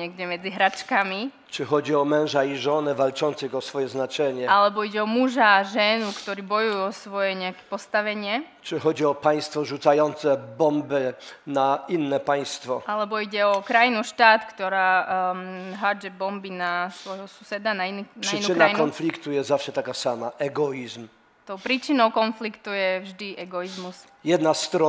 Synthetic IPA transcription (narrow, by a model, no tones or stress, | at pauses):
ɲɪɛɡɟɛmɛd͡ziɦɾat͡ʃkami | t͡ʂɨxɔd͡ʑiɔmɛ̃nʐaiʐɔnɛvalt͡ʂɔntsɨɣɔsfɔjɛznat͡ʂɛɲɛalɛbɔiɟɛɔmuʒaʒɛnukt̪ɔɾiːbɔjujuɔsʋɔjɛɲɛakɛ̥pɔst̪aʋɛɲɪɛ | t͡ʂɨxɔd͡ʑiɔpaj̃st̪fɔʐut̪sajɔnt̪sɛbɔmbɘnainːɛpaj̃st̪fɔʔalɛbɔiɟɛɔkɾajinuʃt̪aːt̪kt̪ɔɾaː | ɦad͡ʒɛbɔmbinasʋɔjɦɔsu̥sɛd̪anaininʂaʂinuɘkɾaajkɔnflʲikt̪ujɛszafʂɛt̪akasamaʔɛɡɔizm | t̪ɔʊpɾiːt͡ʃinɔʊkɔnflikt̪ujɛvʒd̪iʔɛɡɔizmus | jɛd̪nast̪ɾɔ